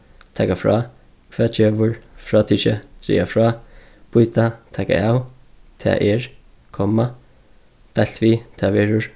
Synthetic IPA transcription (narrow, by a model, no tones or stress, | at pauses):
t̪ʰɛːkafɹa̰ | kʰvɛːt͡ʃeːʋʊɹfɹaːt̪ʰiʃət̪ɾḭːafɹaː | pʊjt̪at̪ʰɛːka̰aːw | t̪ʰɛ̰ːʔɛɹ | kʰɔma | t̪ajl̥t̪ʋiːt̪ʰɛːʋɛːɹʊɹ